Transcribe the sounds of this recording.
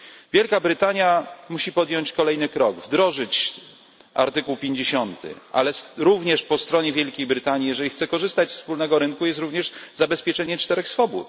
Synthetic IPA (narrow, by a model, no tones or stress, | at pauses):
vʲjɛlkabɾɘt̪aɲjamuɕipɔd̪jɔɲt͡ɕkɔlɛjnɘkɾɔɡvd̪ɾɔʐɘt͡ɕ | a̰ɾt̪ɘkuwpʲjeɲd͡ʑeɕɔnt̪ɘ̰a̰lɛsɾuvɲɛʂpɔst̪ɾɔɲɛvʲjɛlkʲejbɾɘt̪aɲijɛʐɛlʲixt̪sɛkɔʐɘst̪at͡ɕsfspulnɛɡɔɾɘnkujɛst̪ɾuvɲɛʐzabɛspʲjɛt͡ʂɛɲɛt͡ʂt̪ɛɾɛxsfɔbṵt̪